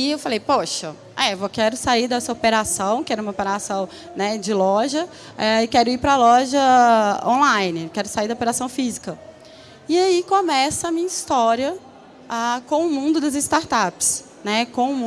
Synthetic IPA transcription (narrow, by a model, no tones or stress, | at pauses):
iewfalejpoʃɐ | ɛvokɛɾʊsaiɾd̪ɐsɐopeɾasɐ̃w̃kɪɛɾɐũmɐopeɾasɐ̃w̃ | nɛd͡ʒɪlɔʒɐ | ɛɪkɛɾʊipɾɐlɔʒɐõlãjnɪkɛɾʊsaiɾd̪ɐopeɾasɐ̃w̃fizikɐ | ɪaikõmɛsɐːmĩɲɐist̪ɔɾiɐ | akõw̃ʊmũnd̪ʊd̪ɐzɪst̪aɾt̪apɪ̥s | nɛkõʊmũ